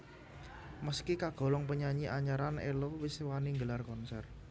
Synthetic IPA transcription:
məskikaɡ̥ɔ̤lɔŋpəɲaɲiʔaɲaɾanḛlowisewaniŋɡəlarkɔnsɛr

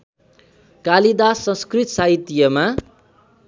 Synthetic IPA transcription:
kalid̪asʌ̃skrit̪saɦit̪ːijʌma

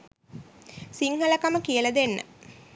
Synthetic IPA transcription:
siŋhələkaməkiələd̪enːə̰

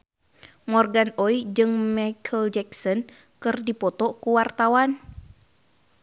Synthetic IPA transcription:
mɔrɡanɔid͡ʒɨŋmajkʰəld͡ʒɛksɔn | kɨrdipɔt̪ɔkuwart̪awan

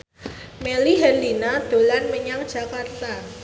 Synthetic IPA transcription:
meliɦɛrlinad̪̥o̤lanməɲaŋd̥ʒ̥a̤kart̪a

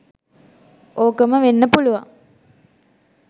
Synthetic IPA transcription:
oːkəməʋenːəpuluʋa̰ŋ

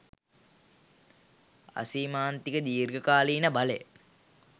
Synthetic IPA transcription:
a̰siːmaːnt̪ikəd̪iːrɡəkaːliːnəbalḛ

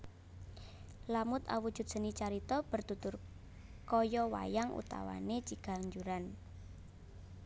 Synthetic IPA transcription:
lamʊt̪a̰wud̥ʒ̥ṳt̪̚sə̤nit͡ʃaɾit̪ɔb̥ə̤rt̪ut̪ʊr | kɔjɔwa̰jaŋʔṵt̪a̰wa̰net͡ʃiɡ̥a̤ɲd͡ʒuɾan

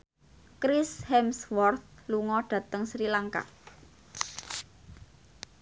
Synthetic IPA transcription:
kɾishɛmswɔrt̪̚luŋɔɖ̥ä̤t̪əŋsɾilaŋka̰

